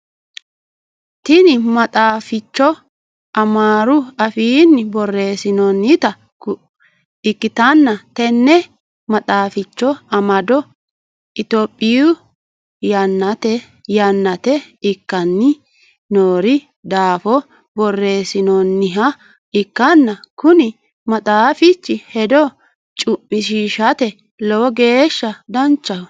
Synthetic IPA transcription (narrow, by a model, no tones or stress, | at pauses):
t̪ɪnɪmɐt̪ʼaːfɪt͡ʃːɔ | ɐmaːɾʊɐfiːnːɪbɔrːe̞ːsɪnɔnːɪt̪ɐ | ɪkːɪt̪ɐnːɐt̪ɛnːɛ | mɐt̪ʼaːfɪt͡ʃːɔɐmɐd̪ɔ | ɪt̪oːpʼːɪju | jɐnːɐt̪ɛ | jɐnːɐt̪ɛɪkːɐnːɪ | noːɾɪ | d̪aːfɔ | bɔrːe̞ːsɪnɔnːɪɦɐ | ɪkːɐnːɐkʊnɪ | mɐt̪ʼaːfɪt͡ʃːɪhɛd̪ɔ | t͡ʃʼʊmːɪʃiːʃɐt̪ɛ | lɔwɔɡe̞ːʃːɐd̪ɐnt͡ʃːɐw